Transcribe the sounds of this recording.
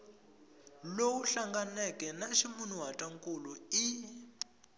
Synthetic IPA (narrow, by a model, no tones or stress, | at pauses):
lowuɬaŋɡanɛkʼɛnaʃimunuɦatʼaŋkʼului